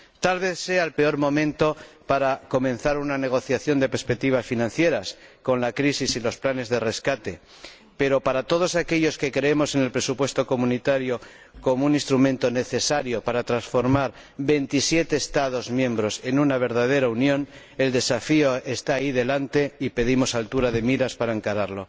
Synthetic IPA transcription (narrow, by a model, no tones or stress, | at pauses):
t̪alβe̞θse̞alpe̞o̞ɾmõ̞mẽ̞nt̪o̞paɾako̞mẽ̞nθaɾunane̞ɣ̞o̞θjaθjo̞nd̪e̞peɾspek̚t̪iβ̞asfinãnθje̞ɾasko̞nlakɾisisilo̞splane̞zðe̞re̞skat̪e̞ | pe̞ɾo̞paɾat̪o̞ð̞o̞sake̞ʎo̞ske̞kɾe̞emo̞se̞ne̞lpɾe̞supwe̞st̪o̞ko̞mũnit̪aɾjo | ko̞mounĩnst̪ɾumẽ̞nt̪o̞ne̞θe̞saɾjo̞paɾat̪ɾansfo̞ɾmaɾ | βe̞nt̪isje̞t̪e̞ːst̪að̞o̞zmjẽ̞mbɾo̞se̞nunaβ̞e̞ɾðað̞e̞ɾaunjõ̞n | e̞ld̪e̞safio̞e̞st̪aːiðe̞lant̪e̞ipe̞ð̞imo̞salt̪uɾað̞e̞miɾaspaɾaeŋkaɾaɾlo̞